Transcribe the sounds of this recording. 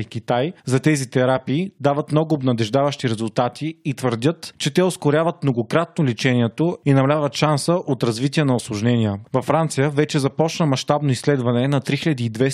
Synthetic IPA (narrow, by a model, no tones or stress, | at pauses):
ikʲit̪ajzɐt̪ɛzit̪ɛɾapiːd̪avət̪mnɔɡʊːbnɐd̪ɛʒd̪avəʃt̪iɾɛzʊlˠt̪at̪ʰiːt̪vəɾd̪ʲət̪t͡ʃɛt̪ɛoskʊɾʲjavət̪̚mnoɡokɾat̪̚nolit͡ʃɛniɛt̪oinɐmɐlʲavət̪ʃansəʔot̪ɾɐzvit̪iənɐʊslˠʊʒnɛnʲiəvɐfːɾant̪sijəvɛt͡ʃɛzɐpɔt͡ʃnəmɐʃt̪abnoislɛd̪vɐnɛnɐt̪ɾixiləd̪iːd̪vɛ